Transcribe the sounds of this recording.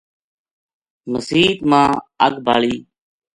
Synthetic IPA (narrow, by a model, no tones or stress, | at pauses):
məsiːt̪mãːə̰ɡbʱaːɭiː